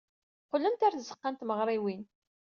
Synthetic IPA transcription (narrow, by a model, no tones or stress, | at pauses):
qəlːənt̪æɾθzəqːant̪məʁɾˤiwin